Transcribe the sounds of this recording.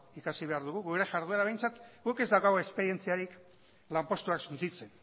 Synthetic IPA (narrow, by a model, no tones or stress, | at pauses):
ikasiβe̞aɾðuɣuɣuɾe̞ʝaɾð̞uelaβe̞jnt͡sat̪ɡuke̞zd̪awkaɣoespe̞ɾie̞nt͡siaɾik | lampo̞st̪uaksunt͡sit͡se̞n